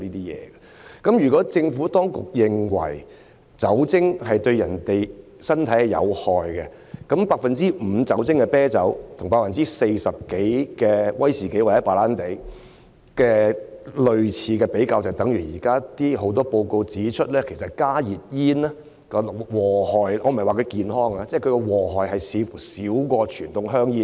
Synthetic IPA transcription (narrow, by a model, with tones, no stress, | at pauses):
iː˥t̪iː˥jɛ̰ː˨˧ɛ˧ | kɐ˨˦˥mjyː˨˩kɔː˨˥t͡sɪ˧ŋfuː˨˥t̪ɔː˥ŋkʊ̰˨k̚jɪ˨˧ŋwɐ̰˨˩j | t͡sɐ˨˥wt͡sɪ˥ŋɦɐ˨jt̪ɵ˧ɥjɐ˨˩nt̪e˨j | sɐ˥nt̪ʰɐ˨˥jhjɐ̰˨˧whɔː˨jɡɛ˧ | kɐ˨˥mpaː˧k̚fɐ˨nt͡siː˥m̩˨˧t͡sɐ˨˥wt͡sɪ˥ŋkɛ˧pɛː˥t͡sɐ˨˥wt̪ʰʊ˨˩ŋpaː˧kfɐ˨nt͡siː˥se˧jsɐ˨p̚ke˨˥jkɛː˧wɐ˥jsiː˨˩ke˨˥jwa˨˩jɛ˨˥paː˨˩laː˥nt̪e˨˥j | kɛː˧lɵ˨ɥt͡sʰiː˨˧kɛː˧pe˨˥jkaː˧wt͡sɐ˨wt̪ɐ˨˥ŋjyː˨˩jiː˨˩kaː˥t̪iː˥ɦo˨˥wt̪̬ɔː˥po˧wko˧wt͡siː˨˥t͡ʃʰɵ˥t̚lɛː˥kʰe˨˩jsɐ˨t̚kaː˥jiː˨t̚jiː˥naː˥ | kɔ˧˨wɔː˨˩hɔː˨˩jʔɔː˨˧m̩˨ɐ˩jwaː˨˩kʰɵ˧jkiː˨nɦɔː˥ŋaː˧t͡sɛː˥˩˨kʰɵ˧kɔ˧wɔː˨˩ɦɔː˨jɦɐ˨jsiː˨˧˥fuː˨˩siː˨˥wkɔː˧t͡ʃʰyː˨˩nt̪ʊ˨ŋɦœː˥ŋjiː˥n